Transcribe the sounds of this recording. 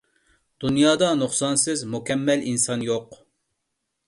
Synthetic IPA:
d̪̥unjɑːd̪ɑnuχsɑnsɪzmukʲɛmːɛlinsɑnjoq

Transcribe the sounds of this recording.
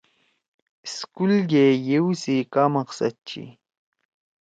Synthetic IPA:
skulɡejewsikamɑqsa̰t̪̚t͡ɕʰḭ

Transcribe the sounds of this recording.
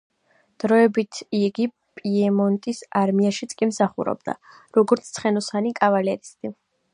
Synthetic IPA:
d̪̥ɾɔɛbit̪ʰiɡi | pʼiɛmɔnt̪ʼisaɾmiaʃit̪sʼkʼimsaχṵɾɔ̰bd̪a̰ | ɾɔɡɔɾt̪st̪sʰχɛnɔsanikʼavalɛɾist̪ʼi

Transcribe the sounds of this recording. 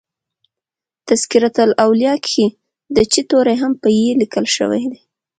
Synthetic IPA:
t̪askiɾat̪əlawlijɑkʰi | d̪ət͡ʃit̪oɾajɦampəjelikəlʃə̰wa̰jd̪e

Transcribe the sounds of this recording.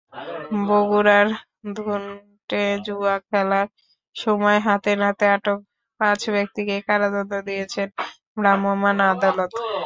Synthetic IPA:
boɡuɾaɾ | d̪ʱun | ʈed͡ʑuakʰɛlaɾ | ʃɔmɔeɦat̪eɾnat̪eaʈok̚ | pãt͡ɕbek̚t̪ikekaɾad̪ond̪od̪ijet͡ɕʰen | ɾamomanad̪alot̪

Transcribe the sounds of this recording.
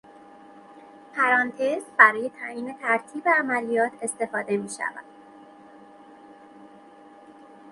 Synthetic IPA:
pʰæɾɒnt̪ʰezbæɾɒːje̞t̪ʰæiːne̞t̪ʰæɾt̪ʰiːbeæmælijɒːt̪ʰe̞st̪e̞fɒːd̪e̞miːʃæ̰væ̰d̪̥

